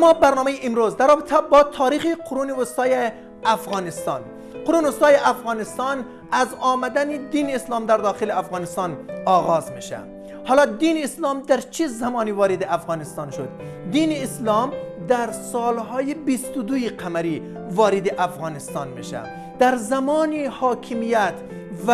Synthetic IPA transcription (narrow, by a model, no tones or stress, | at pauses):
mɒːbæɾnɒːmejiʔimɾozd̪æɾːɒːbet̪ʰɛbɒːt̪ʰɒːɾiːxiqʰʊɾuːniost̪ɑːje | æfɣɑːnest̪ɑ̰ːn | qoɾuːnost̪ɑːjeʔæfɣɑːnest̪ɑːn | æzɒːmæd̪ænid̪iːneːslɑːmd̪æɾd̪ɒːxeleæfɣɑːnest̪ɑːnɒːɣɑːzmiːʃæ̰m | hɒːlɒːd̪iːniːslɑːmd̪æɾt͡ʃʰizæmɒːnivɒːɾid̪iæfɣɑːnist̪ɑːnʃod̪ | d̪iːniːslɑːmd̪æɾsɑːlhɑːjibist̪ud̪ujiqʰæmæɾi | vɒːɾid̪iʔæfɣɑːnist̪ɑːnmḭʃæ̰ | d̪̥æɾzæmɒːnihɒːkʰimijæt̪ | v